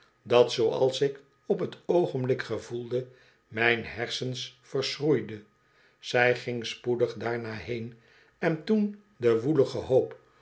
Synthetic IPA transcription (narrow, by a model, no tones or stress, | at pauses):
dɑtsowɑ̰lˠsɪk | ɔpɦətʰowχəmblɪkχəvulˠdə | mɛjnɦɛɹsənsfəɹsrujdə | z̥ɛjχɪŋspudəχdaːɹnaːɦejn | ɛntun | dəʋuləχəɦowp